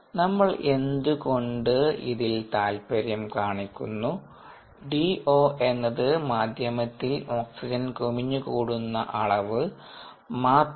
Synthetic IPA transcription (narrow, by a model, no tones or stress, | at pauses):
nɐmːɐɭe̞nd̪uko̞ɳɖɨḭðilt̪aːlpɐɾjɐmkaːɳikʲːunːu | ɖio̞ːʔe̞nːɐðɨmaːd̪ʱjɐmɐt̪ːilo̞ːksid͡ʑɐnkumiɲːukuːɽunːɐ̰ʔɐɭɐʋɨ | maː